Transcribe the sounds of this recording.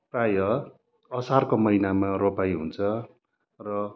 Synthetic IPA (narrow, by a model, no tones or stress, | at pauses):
prajʌ | ʌsarkomʌinamaropajɦṵnt͡sʰʌ | rʌ